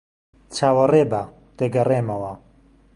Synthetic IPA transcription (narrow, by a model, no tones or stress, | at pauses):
t͡ʃʰaːwɐreːba | t̪eɡɐreːmɐwɐ